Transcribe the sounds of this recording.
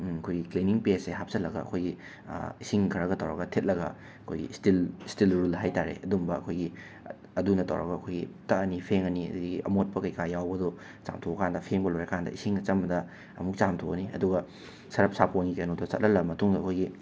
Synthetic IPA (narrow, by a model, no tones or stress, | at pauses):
ɐkʰojɡikleniŋpeseɦap̚sɐtlɐɡɐ̰ːkʰojɡḭ | isiŋkʰɐɾɐɡɐtɐwɾɐ̰ɡɐtʰet̚lɐɡɐ̰ | ɐkʰo̰jɡḭstilstilɾulɦajtaɾḛʔɐdumbɐɐ̰kʰojɡi | ɐdunɐtɐ̰wɾɐɡɐɐkʰojɡḭtɐɐnipʰeŋɐniɐ̰diɡiɡiʔɐ̰mot̚pɐkɐjkʰajawbɐdɔ | t͡ʃa̰mtʰoɐkʰandɐpʰeŋbɐlojɐkʰandɐ̰isiŋɐt͡ʃɐmɐdɐ | ɐ̰muk̚t͡ʃamtʰoɐniʔɐ̰duɡɐ | sɐɾɐp̚sapʰoŋɡikɐnotɐt͡ʃɐt̚lɐlɐmɐtuŋdɐːkʰojɡi